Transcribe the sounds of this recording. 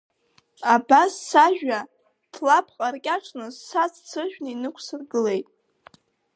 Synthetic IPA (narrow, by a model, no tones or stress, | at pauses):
abasːaʒᶣa | d̥ʰlapʰqʼarkʲʼaʈ͡ʂʰʼnɨsːazt͡sʰɨʒᶣnɨinɨkʷʰsɨrɡɨle̞jtʼ